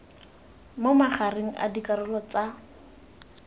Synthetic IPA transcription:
momaχareŋ̩ʔa̰dikʼaɾʊlɔt͡sa

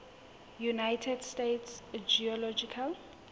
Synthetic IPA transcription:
junajtʰɛdstetsd͡ʒiɔlɔd͡ʒikʰal

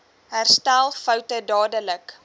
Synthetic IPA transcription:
ɦærstælˠfəwtədɑːdələk

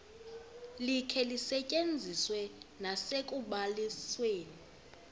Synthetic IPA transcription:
likʰɛlisɛcʼend͡zʱiswɛnasekʼuɓalisweːni

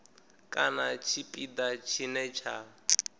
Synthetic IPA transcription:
kʼanat͡ʃʰipʼid̪at͡ʃʰinɛt͡ʃʰa

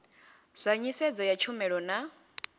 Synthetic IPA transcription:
z̥ʷaɲisɛd͡zɔjat͡ʃʰumɛɺɔna

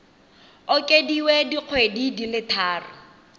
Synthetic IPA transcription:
ʊkʼediwediq͡χʰwedidilɪtʰaːrʊ̰

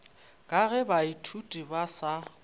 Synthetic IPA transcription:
kʼaɣɛbaitʰutʼibasa

